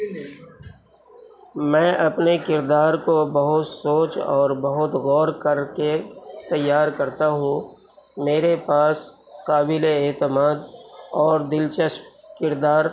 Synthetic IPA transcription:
mɛ̃ːʔɐpnekɪɾd̪aːɾkobɐɦʊt̪soːt͡ʃɔːɾbɐɦʊt̪ɣɔːɾkɐɾket̪ɐjːaːɾkɐɾt̪aɦũ | meːɾepaːs | qaːbɪleɛːt̪ɪmaːd̪ɔːɾd̪ɪlt͡ʃəʃkɪɾd̪aːɾ

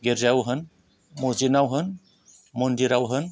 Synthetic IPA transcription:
ɡeɾzawɦən | mozinawɦɯn | mondiɾawɦən

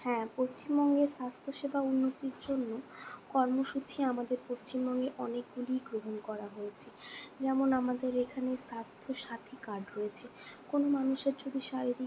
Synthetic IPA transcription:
hɛ̃post͡ɕimbɔŋɡeʃast̪ʰoʃebʱaunːot̪iɾd͡ʑonːokɔɾmoʃut͡ɕiamad̪eɾpost͡ɕimbɔŋɡeʔɔnek̚ɡuliɡɾoɦonkɔɾaɦojet͡ɕʰed͡ʑɛmonamad̪eɾekʰaneʃast̪ʰoʃat̪ʰikaɖʱɾojet͡ɕʰekonomanuʃeɾd͡ʑod̪ʱiʃaɾiɾi

